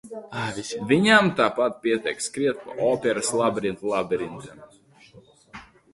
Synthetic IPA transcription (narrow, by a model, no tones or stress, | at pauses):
vʲiɲamt̪aːpat̪̚pʲiɛt̪ʲɛjkskɾiɛt̪̚pa̰ʔɔpʲɛɾaslˠabɾint̪lˠabʲɛɾint̪am